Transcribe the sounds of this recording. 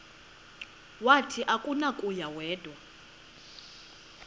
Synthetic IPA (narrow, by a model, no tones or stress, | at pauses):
watʰiʔakʼunakʼujawɛːd̥ʱʼwa